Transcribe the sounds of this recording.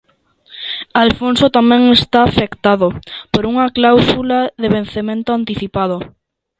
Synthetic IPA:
alfonsot̪amɛ̃ŋest̪aːfekt̪aðopoɾuŋaklawsulaðeβenθemẽnt̪oant̪iθipað̞o

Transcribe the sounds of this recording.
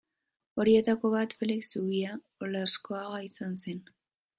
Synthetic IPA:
o̞ɾie̞t̪ako̞βat̪feliksuɣia | olasko̞aɣaisanse̞n

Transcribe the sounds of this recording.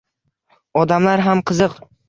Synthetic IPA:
ɒd̪amlaɾɦamqʰɨzɨq

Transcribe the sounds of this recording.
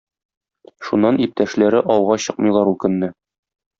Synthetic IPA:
ʃunːɑnip̚t̪æʃlæɾɘʔɒwʁɑɕɤqmɤ̆jlˠɑɾukɵ̆nːɘ

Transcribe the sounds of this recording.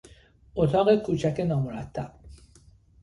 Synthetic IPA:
ot̪ʰɒɣekʰut͡ʃakenɒmuɾat̪ːa

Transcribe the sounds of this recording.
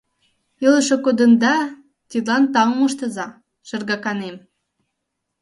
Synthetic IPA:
ilə̆ʃɤ̆kod̪ə̆nd̪ɑ | t̪ʲid̪lɑnt̪ɑŋmuʃt̪ɤ̆zɑ | ʃə̆rɣɑkɑnem

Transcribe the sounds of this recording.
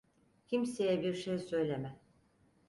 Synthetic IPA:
cʰimsejɛbiɾʃejsø̞jlʲemɛ

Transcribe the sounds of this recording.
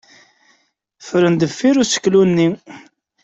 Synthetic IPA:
fɾənd̪əfːiɾusə̥kːlunːi

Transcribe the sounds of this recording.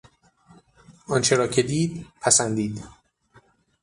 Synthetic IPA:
ʔɒnt͡ʃʰe̞ɾɒːcʰe̞d̪iːd̪pʰæsænd̪iːd̪

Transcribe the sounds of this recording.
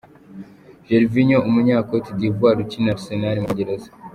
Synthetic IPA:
ʒeɾviɲoʔumuɲaːkotidivɡaːɾucinaɾsenaɾimuɟeɾezḁ

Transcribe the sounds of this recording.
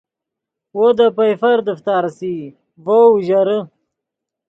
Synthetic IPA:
wod̪apɐjfɐɾd̪əft̪aːɾsiː | voʒɐɾə

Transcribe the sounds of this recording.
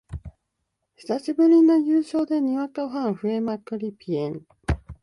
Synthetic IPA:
çi̥saɕibɯ̟ɾʲino̞jɯːɕo̞ːd̪e̞ɲ̟iβakaɸãɰ̃ɸɯ̟e̞makɯ̟ɾʲipʲiẽŋ

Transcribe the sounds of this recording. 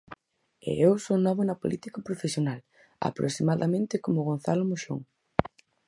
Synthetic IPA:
ḛewsonɔβonɐpo̰lʔit̪ikapɾofesjonal | a̰pɾo̰simaðamẽnt̪ɪkomʊɣonθalomoʃo̰ŋ

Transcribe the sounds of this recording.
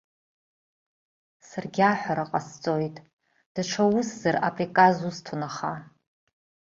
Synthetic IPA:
sarɡʲaħʷaɾaqʼast͡sʼo̞jtʼ | d̥aʈ͡ʂʷʰawʊszara̰pʼrikʼazustʰunaχa

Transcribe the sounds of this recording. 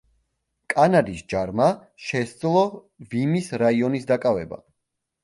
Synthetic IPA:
kʼanad̪isd͡ʒaɾma | ʃɛsd̪zlˠɔ | vimisɾaiɔnisd̪akʼavɛba̰

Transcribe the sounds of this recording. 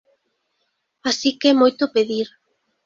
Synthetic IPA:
asikɛmojt̪ʊpeðiɾ

